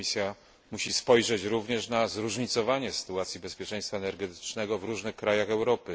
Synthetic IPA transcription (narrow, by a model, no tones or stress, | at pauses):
isʲja | muɕispɔjʐɛt͡ɕɾuvɲɛʂnazɾuʐɲit̪sɔvaɲɛsɘ̥t̪uat̪sʲjibɛspʲjɛt͡ʂɛj̃st̪faɛnɛɾɡɛt̪ɘ̥t͡ʂnɛɡɔvɾuʐnɘxkɾajaxɛwɾɔpɘ